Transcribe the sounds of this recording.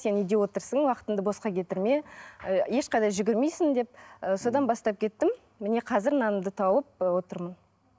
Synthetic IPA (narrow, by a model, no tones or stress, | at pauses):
se̞nʏjd̪e̞wo̞t̪əɾsəɴwɑqə̥t̪ənd̪əbo̞sqɑkʲʰe̞t̪ɪɾme̞je̞ʃqɑjd̪ɑjʒʏɡʲɪɾme̞jsɪnd̪e̞p̚əso̞d̪ɑnbɑst̪ɑp̚kʲʰe̞t̪ːɪmː | ɪne̞qʰɑzɪɾnɑnəmd̪ət̪ʰɑwəp̚wo̞t̪əɾmən